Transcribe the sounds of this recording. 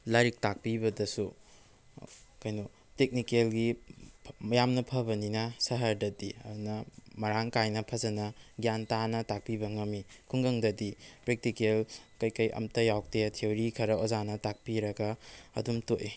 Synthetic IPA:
laɾik̚tak̚pibɐdɐsu | kɐjnu | tek̚nikelɡi | jamnɐpʰɐbɐninɐsɐɦɐɾdɐdḭɐ̰dunɐmɐɾaŋkajnɐpʰɐzɐnɐɡjantanɐtak̚pibɐŋɐmikʰuŋɡɐŋdɐdipɾek̚tikelkɐjkɐjʔɐ̰mtɐjawk̚teɐtʰiewɾikʰɐɾɐozanɐtak̚piɾɐɡɐɐ̰dumtojʔ

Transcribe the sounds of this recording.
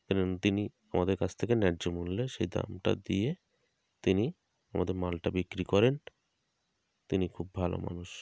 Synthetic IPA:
ɛnont̪ini | amad̪eɾkat͡ɕʰt̪ʰekenɛɾd͡ʑomulːeʃejd̪a̰mʈa̰d̪ie | t̪ini | amad̪eɾmalʈabikɾikɔɾen | t̪inikʰubbʱalo̰ma̰nuʃ

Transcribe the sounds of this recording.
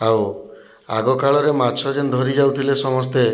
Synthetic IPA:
aw | a̰ɡɔkaɭɔɾemat͡ʃʰɔd͡ʒend̪ʱɔɾid͡ʒawt̪ʰilesɔmɔst̪e

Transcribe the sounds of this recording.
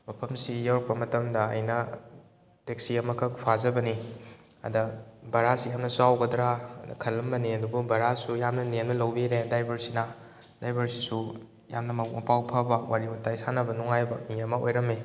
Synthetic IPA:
mɐpʰɐmsijawɾɐk̚pɐmɐtɐmdɐɐ̰jnɐ | tek̚siɐmɐkʰɐkpʰazɐbɐni | ɐ̰dɐbɐɾasijamnɐsuawɡɐdɾa̰kʰɐlːɐmbɐniɐdububɐɾasujamnɐnennɐlɐwbiɾedajbɐɾsina | dajbɐɾsi̥su | ja̰mnɐmɐmɐpawpʰɐbɐwaɾibutajsanɐbɐnuŋajbɐmiɐmɐojɾɐme

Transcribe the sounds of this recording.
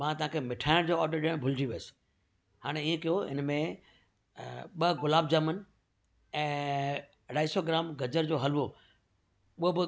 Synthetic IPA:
mãːt̪ɐɦãkʰemɪʈʰaːɪɽ̃d͡ʑoːɔːɾɖəɾɗɪɽ̃bʱʊld͡ʑiʋeəsɪ̥ | haːɽ̃eiːẽkijoɪ̰nmẽ | ɓɐɡʊlaːb̚d͡ʑəmən | ɛ̃ː | ɽaːisoɡɪɾaːmɡɐd͡ʑəɾd͡ʑoːɦɐlʋo | ʊɦobɪ

